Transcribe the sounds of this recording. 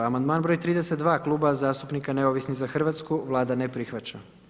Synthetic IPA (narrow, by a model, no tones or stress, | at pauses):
amand̪maːnbɾojt̪ɾiːd̪eset̪̚d̪ʋaːklˠuːbazaːst̪upnikane̞oʋisnixzaxr̩ʋat̪skuʋlˠaːd̪anepɾixʋat͡ɕa